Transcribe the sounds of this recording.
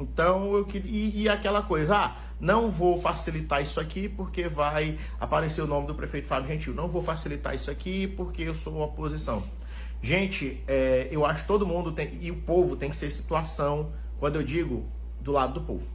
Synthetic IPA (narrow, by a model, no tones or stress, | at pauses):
ẽt̪ɐ̃w̃ewkɪɾiiakɛlɐkojzɐa | nɐ̃w̃vowfasilit̪aisʊakipoɾkevaj | a̰paɾeseɾʊnõmɪd̪ʊpɾefejt̪ʊfabjʊʒẽt͡ʃiwnɐ̃w̃vowfasilit̪a̰ɾisʊakipoɾkeewsoopozisɐ̃w̃ | ʒẽt͡ʃɪ | ɛewaʃʊkɪ̥t̪od̪ʊmũd̪ʊt̪ẽj̃ɪʊpovʊt̪ẽj̃kɪ̥seɾsi̥t̪uasɐ̃w̃ | kwɐ̃nd̪ʊewd͡ʒiɡʊ | d̪ʊlad̪ʊd̪ʊpo̰vʊ